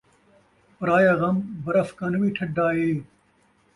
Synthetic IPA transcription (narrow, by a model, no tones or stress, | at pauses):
pɐɾaːjaːɣɐmbɐɾɐfkɐnɐwiːʈʰɐɖːaːɦeː